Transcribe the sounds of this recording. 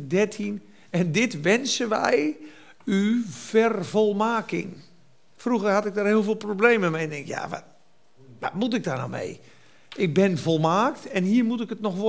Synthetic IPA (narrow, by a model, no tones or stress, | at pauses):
dɛrtʰin | ɛndɪtʋɛnsəʋɛ̰j | yfɛrvolˠmaːkɪ̰ŋ | fruɣərhatɪk̚darhɪəlˠvɪːlˠprobleːməmɛndɪŋkja̰ʋa̰ | ʋa̰tmut̬ɪk̚darna̰mḛj | ʔɪk̚bɪnvolˠmaːktɛnɦiːərmut̬ɪkətnɔxʋo